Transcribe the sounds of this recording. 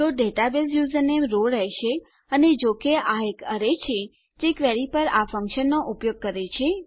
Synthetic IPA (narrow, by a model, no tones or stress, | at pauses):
t̪oɖeʈabesjuzənemɾolɾɛɦʃe | əned͡ʒokeʔaekəɾet͡ʃʰe | d͡ʒekʋɛɾipəɾafəŋkʃənːoʔupjoɡ̚kəɾet͡ʃʰe